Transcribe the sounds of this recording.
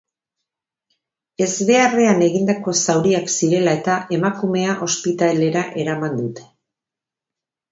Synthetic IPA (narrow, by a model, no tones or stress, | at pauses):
e̞zβe̞are̞ane̞ɣind̪ako̞sawɾiaksiɾe̞lae̞t̪aʔe̞makume̞aʔo̞spit̪ale̞ɾaʔe̞ɾamand̪ut̪e̞̥